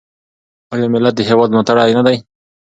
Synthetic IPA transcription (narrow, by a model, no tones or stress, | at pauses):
ojomɪlat̪̚d̪əɦewɑd̪not̪aɽajnad̪aj